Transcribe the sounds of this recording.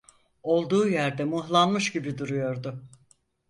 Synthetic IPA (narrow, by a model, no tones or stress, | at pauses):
o̞lˠd̪uːjæɾd̪ɛmuhlˠanmɯʃɟibid̪uɾujo̞ɾd̪ʊ